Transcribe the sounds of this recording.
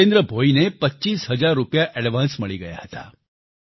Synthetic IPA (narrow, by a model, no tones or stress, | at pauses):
end̪ɾəbʱoinepətːɕiːsɦəd͡ʒaɾːupjaʔɛɽʋãnsməɭiɡəja̰hət̪a̰